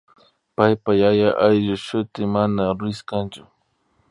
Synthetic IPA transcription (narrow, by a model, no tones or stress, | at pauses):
pajpajajaʔajʎʊʃʊt̪ɪmanaɾʊɪskant͡ʃʊ̥